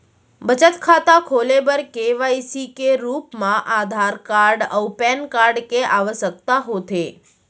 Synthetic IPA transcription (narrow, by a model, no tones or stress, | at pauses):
bət͡ʃət̪kʰat̪akʰolebəɾkeʋaisikeɾupmãʔad̪ʱaɾkaɾɖəwpɛnkaɾɖkeʔaʋəʃək̚t̪aɦot̪ʰe